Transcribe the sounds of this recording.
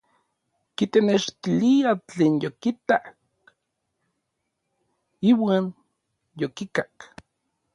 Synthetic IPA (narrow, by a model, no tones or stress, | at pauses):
kit̪eneʃt̪iliat͡ɬeːnjokit̪ak | iwaːn | jokikak